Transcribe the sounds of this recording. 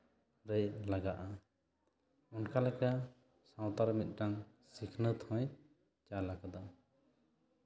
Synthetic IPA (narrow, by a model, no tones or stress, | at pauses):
ɾɛjlaɡaʔa | unkalɛka | sãw̃t̪aɾmit̪̚ˀʈaŋ | sikʰnət̪ʰɔ̃j | t͡ʃalakad̪a